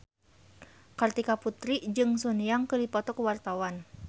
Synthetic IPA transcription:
kart̪ikaput̪ɾid͡ʒɨŋsunijaŋkədipɔt̪ɔkuwart̪awan

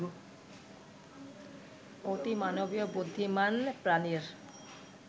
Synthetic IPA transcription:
ot̪imanobijobud̪ʱːimanpɾaniɾ

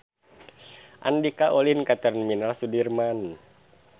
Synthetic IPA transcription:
ʔa̰ndikaʔolinkat̪ərnminalsudirman

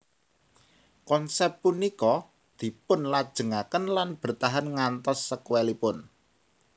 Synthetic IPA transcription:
kɔnsɛptpunikɔ | d̪̥i̤pʊnlad̥ʒ̥ə̤ŋakənlanb̥ə̤rt̪aɦanŋant̪ɔsːəkwelipʊn

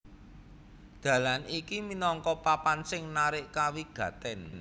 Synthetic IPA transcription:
d̪̥ä̤lanikiminɔŋkɔpapansɪŋnaɾɪʔkawiɡ̥ä̤t̪ɛn

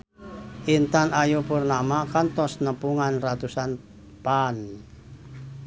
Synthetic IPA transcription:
ʔint̪anajupurnamakant̪ɔsnəpuŋanrat̪usan | pan

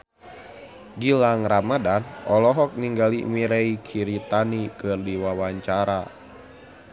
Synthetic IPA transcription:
ɡilaŋramadanɔlɔɦɔk̚niŋɡalḭmiɾeikʰiɾit̪anikɨrdiwawaɲt͡ʃaɾa

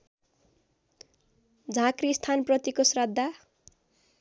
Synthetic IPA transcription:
d͡zʱãkrist̪ʰanprʌt̪ikosrʌd̪ʱːa

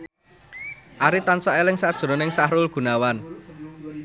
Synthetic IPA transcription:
ʔaɾit̪ansaʔelɪŋsad̥ʒ̥ṳɾɔnɪŋsahɾʊlɡ̥ṳnawan

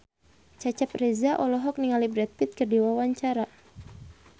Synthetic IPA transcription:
t͡ʃat͡ʃaprɛzaʔɔlɔɦɔk̚niŋalibɾɛt̪̚pit̪̚kərdiwawaɲt͡ʃaɾa

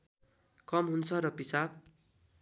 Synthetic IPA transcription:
kʌmɦunt͡sʰʌɾʌpisab̚

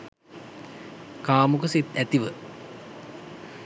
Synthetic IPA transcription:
kaːmukəsit̪æt̪iʋə

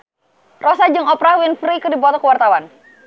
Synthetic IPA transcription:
rʔɔsad͡ʒɨŋɔpɾawinfɾikɨrdibɔt̪ɔkəwart̪awan

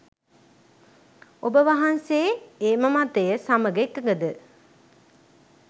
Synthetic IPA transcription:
obəʋaɦanseeːməmat̪əjəsaməɡekːəɡəd̪ə

